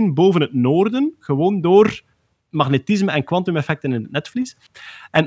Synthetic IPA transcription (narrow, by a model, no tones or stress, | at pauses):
nboːvənɦətnoːrdənɣəwoːndoːr | mɑɣnetɪzməɛnkwɑntumɛfɛk̚tənɪnətnɛtflis | ɛn